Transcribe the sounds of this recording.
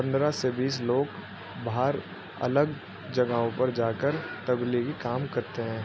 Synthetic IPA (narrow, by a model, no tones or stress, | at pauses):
pɐ̃nd̪ɾasebiːsloːɡ | baːɾ | ɐ̰ləɡ | d͡ʒɐɡaɦõpɐɾd͡ʒaːkəɾt̪ɐbliɡikaːmkɐɾt̪eɦɛ̃ː